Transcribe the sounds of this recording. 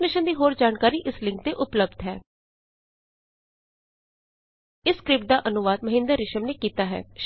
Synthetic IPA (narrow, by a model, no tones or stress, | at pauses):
nɪʃənd̪iːɦoːɾd͡ʒaːnkaːɾiːʔɪslɪ̃ŋk̚t̪eːʔʊpləb̚d̪ɦɛː | ɪskɾɪp̚d̪aːʔənʊʋaːd̪məɦɪ̃nd̪əɾːɪʃəmneːkiːt̪aːɦɛ̰ːʃ